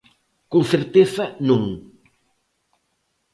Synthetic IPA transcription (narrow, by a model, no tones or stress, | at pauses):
koŋθeɾt̪eθɐnũŋ